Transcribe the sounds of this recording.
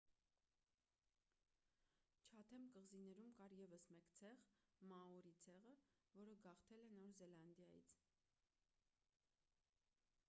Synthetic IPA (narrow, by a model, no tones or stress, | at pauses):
t͡ʃʰɑt̪ʰɛmkəʁzinɛɾumkɑɾjɛvəsmɛkt͡sʰɛʁmɑɔɾit͡sʰɛʁəvɔɾəɡɑχt̪ʰɛlɛnɔɾzɛlɑnd̪jɑjḭt͡sʰ